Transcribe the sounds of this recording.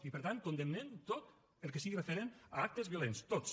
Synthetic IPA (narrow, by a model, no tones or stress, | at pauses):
ipəɾt̪an̚kund̪emnent̪ot̪ | əlˠkesiɣirefeɾenəak̚t̪əzβjolenst̪os